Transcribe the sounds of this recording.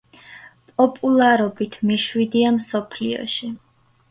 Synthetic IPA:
pʼɔpʼulˠaɾɔbit̪ʰmiʃwid̪iamsɔpʰliɔ̰ʃi

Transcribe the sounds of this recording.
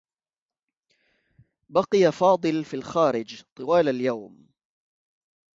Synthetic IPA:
bɑqɨjafɑːd̪ˤɨlfiːlxaːɾɪd͡ʒt̪ˤɨwaːlaljawm

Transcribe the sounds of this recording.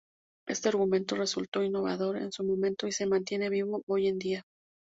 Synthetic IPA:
e̞st̪e̞aɾɣumẽ̞nt̪o̞re̞sult̪o̞inːo̞βa̰ðo̞ɾe̞̰nsumõ̞mẽ̞nt̪o̞ise̞mãnt̪je̞ne̞βiβo̞ʔo̞je̞nd̪ia

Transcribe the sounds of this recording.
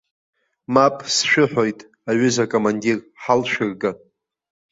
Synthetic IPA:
mapʼsʃᶣɪħʷᶣo̞jtʼ | aɥʏzakʼomandir | ħalʃᶣɨrɡa

